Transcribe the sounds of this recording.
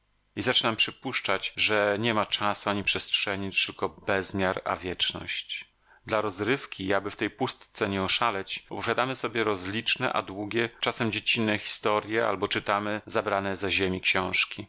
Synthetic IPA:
izat͡ʂɘnampʂɘpuʂt͡ʂat͡ɕʐɛɲɛmat͡ʂasuaɲipʂɛstʂɛɲit͡ɕt̪ɘlkɔbɛzmʲjaɾa̰vʲjɛt͡ʂnɔ̰ɕt͡ɕ | d̪laɾɔzɾɘfkʲiabɘft̪ɛjpust̪t̪sɛɲɛɔʂalɛt͡ɕɔpɔvʲjad̪amɘsɔbʲjɛɾɔzlʲit͡ʂnɛ̰ʔa̰d̪wuɡʲjɛt͡ʂasɛmd͡ʑet͡ɕinːɛxʲi̥st̪ɔɾʲjɛa̰lbɔt͡ʂɘt̪amɘzabɾanɛzaʑemʲikɕɔ̃w̃ʂkʲi

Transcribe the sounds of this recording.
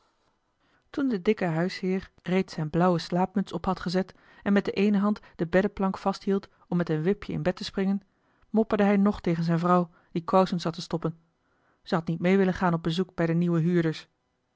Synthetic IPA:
tundədɪkəɦœɥshɪːɹ | rejtsɛjnblʌwəslaːpmɵtsɔpɦɑtχəzɛt | ɛnmɛt̚dəʔejnəɦɑntd̥əbɛdəplɑŋkfɑsthilˠt | ɔmːɛtənʋɪpjəɪ̰nbɛtəsprɪŋən | mɔpəɹdəɦɛjnɔχtejχənzɛjnvrɑw | d̥ikowsənsɑtəstɔpən | z̥əɦɑtnit̚mejʋɪlənχaːnɔb̚bəzuk̚bɛjdəniʋəɦyːɹdəɹs

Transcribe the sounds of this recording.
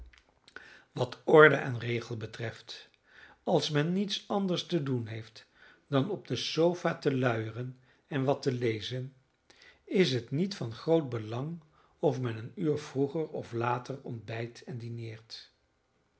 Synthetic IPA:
ʋɑtɔɹdəʔɛnrejχəlˠbətrɛft | ɑlˠsmɛnːitsɑndəɹstədunɦejft | dɑnɔb̚dəsowvaːtəlœɥərən | ɛnʋɑtəlejzən | ɪsɦətnitfɑnχrowd̚bəlɑŋ | ɔfmɛnənyːɹvruχəɹɔ̰flaːtəɹɔ̰ndbɛjtɛndinɪːɹt

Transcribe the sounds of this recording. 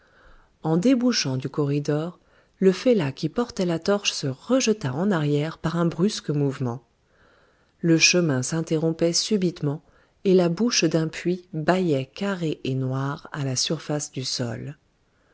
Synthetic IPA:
ɑ̃d̪ebuʃɑ̃d̪ykɔʁid̪ɔʁ | ləfelakʲipɔʁt̪ɛlat̪ɔʁʃsəʁəʒət̪aɑ̃naʁjɛʁpaʁɛ̃bʁyskmuvmɑ̃ | ləʃəmɛ̃sɛ̃t̪eʁɔ̃pɛsybit̪mɑ̃ | elabuʃd̪ɛ̃pɥibajɛkaʁeʔenwaʁalasyʁfasd̪ysɔ̰l

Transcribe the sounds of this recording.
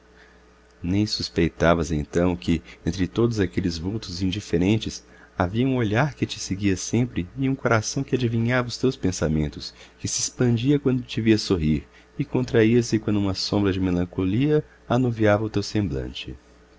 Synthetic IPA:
nẽj̃suspejt̪avɐzḛ̃nt̪ɐ̃w̃kɪẽnt̪ɾɪt̪od̪ʊzakelɪzvuwt̪ʊzĩnd͡ʒifeɾẽnt͡ʃɪs | aviɐũoʎaɾkɪt͡ʃɪseɡiɐsẽmpɾɪɪũkoɾasɐ̃w̃kɪad͡ʒivĩɲavɐʊst̪ewspẽsamẽnt̪ʊskɪsɪːspɐ̃nd͡ʒiɐkwɐ̃nd̪ʊt͡ʃɪviɐsoɦiɾ | ɪkõnt̪ɾaiɐsɪkwɐ̃nd̪ʊũmɐsõmbɾɐd͡ʒɪmelɐ̃koliɐ | anuviavɐʊt̪ewsẽmblɐ̰̃nt͡ʃɪ̰

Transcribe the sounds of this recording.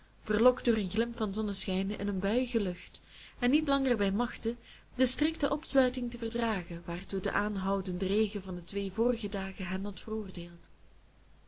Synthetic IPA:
v̥ərlɔkdʊːrənɣlɪmfɑnzɔnəsxɛjnɪ̰nənbœɥɣəlɵxt | ɛnːitlɑŋərbɛjmɑxtə | d̥əstrɪktəʔɔpslœɥtɪŋtəvərdraːɣəʋaːrtudə̰ʔaːnɦʌwdəndərejɣəvɑndətʋeːvoːrəɣədaːɣəɦɛnɦɑtfərʊːrdeːlˠt

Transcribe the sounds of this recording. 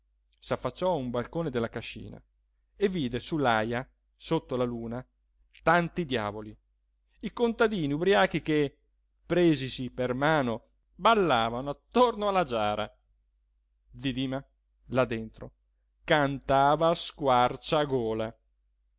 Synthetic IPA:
safːat͡ʃːɔumbalkoːned̪elːakaʃːḭːna̰ | evːiːd̪esulːaja | sot̪ːolaluːna | t̪ant̪id̪ja̰ːvoli | ikont̪ad̪iːniubɾiaːk̟ike | pɾeːzisipermaːno | balːaːvanoat̪ːornoalːad͡ʒaːɾa̰ | d̪id̪iːma | lad̪ːent̪ɾo̰ | kant̪aːvaskwart͡ʃaɡoːla

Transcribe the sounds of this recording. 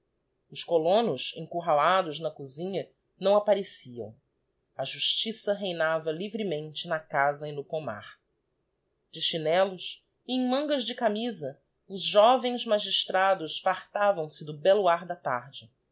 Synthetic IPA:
ʊskolõnʊʃḛ̃ŋkuɦalad̪ʊznɐkuzĩɲɐ | nɐ̃w̃apaɾesiɐ̰̃w̃ | ɐʒuʃt͡ʃisɐɦejnavɐlivɾimẽnt͡ʃɪnɐkazɐɪnʊkoma̰χ | d͡ʒɪʃinɛlʊs | ɪẽj̃mɐ̃ŋɡɐzd͡ʒɪkamizɐ | ʊzʒɔvẽj̃zmaʒiʃt̪ɾad̪ʊsfaχt̪avɐ̃w̃sɪd̪ʊbɛlʊaɾd̪ɐt̪a̰ɾd͡ʒɪ

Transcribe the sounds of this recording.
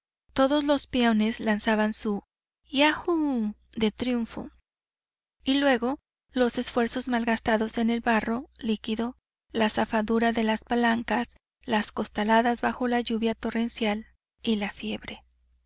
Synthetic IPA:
t̪o̞ðo̞zlo̞spjone̞slansaβansu | jaxud̪e̞t̪ɾjuɱfo̰ | ilwe̞ɣo̞ | lo̞se̞sfwe̞ɾso̞zmalɣast̪aðo̞se̞ne̞lβaro̞likiðo̞ | lasafaðuɾaðe̞laspalaŋkas | lasko̞st̪alaðazβaxo̞laʝuβjat̪o̞re̞nsjal | ilafje̞βɾe̞

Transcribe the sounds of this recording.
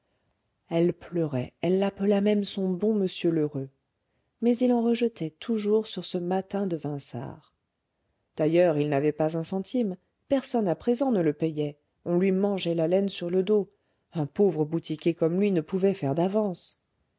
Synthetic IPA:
ɛlplœʁɛ̰ɛlːapəlamɛmsɔ̃bɔ̃məsjøløʁø | mɛzilɑ̃ʁəʒət̪ʰɛt̪ʰuʒuʁsyʁsəmat̪ɛ̃d̪əvɛ̃sa̰ːʁ | d̪̥ajœʁilnavɛpazɛ̃sɑ̃t̪ʰim | pɛʁsɔnapχezɑ̃nələpɛjɛ | ɔ̃lɥimɑ̃ʒɛlalɛnsyʁləd̪o | ɛ̃povʁəbut̪ikʲekɔmlɥinəpuvɛfɛʁd̪avɑ̃s

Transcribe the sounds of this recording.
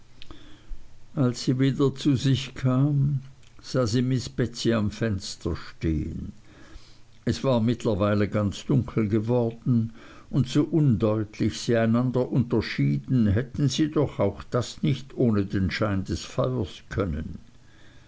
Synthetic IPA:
ʔalsːiːviːdɐt͡suzɪçkʰaːm | z̥aːziːmɪsb̥ɛt͡siamfɛnstɐʃtḛːə̰n | ɛsv̥aːɐmɪtʰlɐvaɪləɡant͡sd̥ʊŋkʰl̩ɡəvɔʁd̥n̩ | ʊntsoːʔʊndɔʏtʰlɪçsiːaɪnandɐʔʊntɐʃiːdn̩ɦɛtn̩ziːdɔχaʊxd̥asnɪçtoːnədeːnʃaɪndɛsfaʏɐskʰœnə̰n

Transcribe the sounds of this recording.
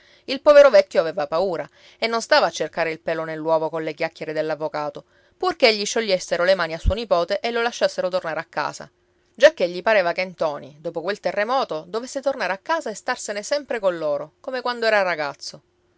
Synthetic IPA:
ilpɔveɾovɛt̪ːjoavɛːvapauːɾa | enːonst̪aːvaːt͡ʃːerkaːɾeilpɛːlonelːwɔːvokonlekjakːjeɾed̪elːavːokaːt̪o | purkeeʎːiʃːoʎːesːeɾolemaːniasːuonipɔːt̪eʔelːolaʃːasːeɾot̪ornaːɾeakːa̰ːsa̰ | d͡ʒakːeʎːipaɾeːvakent̪ɔːnid̪oːpokwelt̪erːemɔːt̪od̪ovesːet̪ornaɾeakːaːzaest̪arsenesɛmpɾekonloːɾokomekwand̪oɛːɾaraɡat̪sːo

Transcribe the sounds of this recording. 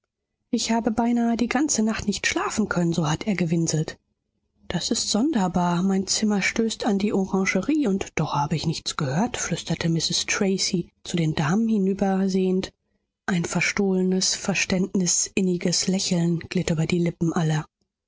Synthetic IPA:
ʔɪçhaːbəbaɪnaːədiːɡant͡sənaχtnɪçtʃlaːfn̩kʰœnənzoːhateːɐɡəvɪnzl̩t | d̥asɪstz̥ɔndɐbaːɐmaɪnt͡sɪmɐʃtøːstʰandiːʔɔʁɑ̃ʒəʁiːʊntd̥ɔχhaːbəɪçnɪçt͡sɡ̥əhøːɐtflʏstɐtʰəmɪsɪstʁ̥eɪsit͡sudeːndaːmənhɪnyːbɐzeːənt | ʔaɪnfɛɐʃtoːlənəsfɛɐʃtɛntnɪsʔɪnɪɡəslɛçl̩nɡ̥lɪtyːbɐdiːlɪpm̩ʔalɐ

